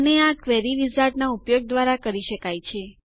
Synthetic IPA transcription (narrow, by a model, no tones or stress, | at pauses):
əneakʋɛɾiʋizaɾʈnaupjoɡ̚d̪ʋaɾakəɾiʃəkajt͡ʃʰe